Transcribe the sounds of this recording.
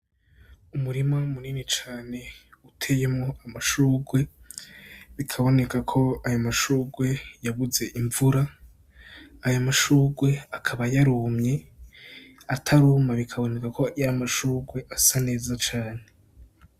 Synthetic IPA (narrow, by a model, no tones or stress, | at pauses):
umuɾimaumuniːnit͡ʃaːne̞utʰe̞je̞mŋo̞amaʃuːɡwe̞ | βikʰaβo̞ne̞kakʰo̞ajomaʃuːɡwe̞jaβuze̞ʔiɱvuɾa | jamaʃuːɡwe̞akʰaβajaɾumɲe̞ | atʰaɾuːmaβikʰaβo̞ne̞kakojamaʃuːɡwe̞ʔasane̞ːzat͡ʃaːne̞